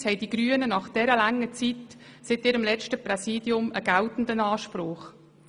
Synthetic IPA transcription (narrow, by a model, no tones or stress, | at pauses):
shɛɪd̥iɡɾyːənənɑχd̥ɛɾəlæŋːət͡sitsɪtiːɾəmlɛt͡ʃtəprɛsiːdjʊməɡawtn̩dənɑːʃpɾʊːχ